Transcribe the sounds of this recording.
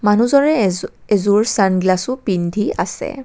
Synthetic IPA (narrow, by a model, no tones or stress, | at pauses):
manuzɔɹɛezuɹsanɡlasʊpindʱia̰sɛ̰